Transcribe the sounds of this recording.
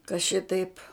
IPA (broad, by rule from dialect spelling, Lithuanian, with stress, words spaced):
kɐ ˈʃʲɪtɐɪp